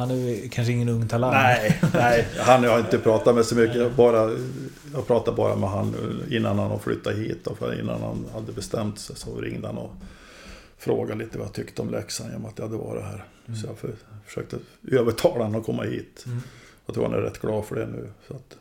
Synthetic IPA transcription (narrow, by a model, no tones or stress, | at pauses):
hanʉkʰanʂəɪŋːənɵŋːt̪ʰalanɛɛɪɦanjɑhaɾɪnt̪əpʰɾɑːt̪at̪mɛsɔmʏkːəjɑbɑːɾa | jɑːɡpʰɾɑːt̪abɑ̰ːɾamɛɦanːʉːɪnːanhanɔflʏ̰t̪ʰːahiːt̪ːɔfɪ̰nːa̰nha̰nhad̪ːəbɛst̪ɛmt̪sɛjsɔɾɪŋd̪əhanɔ | fɾoːɡaliːt̪əva̰at̪ʰʏkt̪əɔmlʔɛksanjḛnɔmat̪̚jhad̪ːəva̰ɖɛ̰ɦæːɾ | sɔjɑffœ̥ʂøːk̚t̪əøːvəʈʰɑːlahnɔkʰɔmːahiːt̪jɑt̪ʰɾuːɾha̰næ̰ɾɛ̰t̪ːɡ̥lɑːdfœɖɛnʉ̟ːsɔat̪